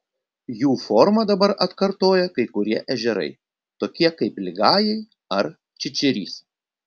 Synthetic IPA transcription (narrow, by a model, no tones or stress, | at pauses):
juːfɔɾmɐd̪ɐbɐɾʔɐt̪kɐɾt̪oːjɛkɐɪkʊɾʲiɛʔɛʒʲɛɾɐ̰ɪ | t̪oːkʲiɛkɐɪplʲɪɡɑːjɛɪ | ɐɾ | t͡ʃʲɪt͡ʃʲɛɾʲḭːs